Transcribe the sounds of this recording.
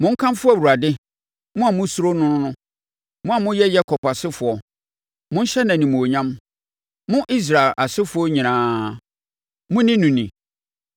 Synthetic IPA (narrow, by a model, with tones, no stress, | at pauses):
mʊ̃˦ŋ̩˦kʰã˦mfʊ˦æ˦˨wu˨ɾa˨dɪ˦ | mʊ̃˦a˨mʊ̃˦su˦ɾo˦nʊ̃˦nʊ̃˦nʊ̃˦ | mʊ̃˦a˨mʊ̃˦jɛ˦jɛ˦kʰɔ˨pa˨sɪ˦fʊ˨ɔ˨ | mʊ̃˦n̩˦ɕɛ˦nã˨nĩ˨mũ˨o˨ɲã˦m | mʊ̃˦ʔi˦s̬ɾa˨ɛ˨lʔa˨sɪ˦fʊ˨˦ɔ˦ɲĩ˨nãː˦ | mʊ̃˦nɪ̃˦nũ˨nĩ˨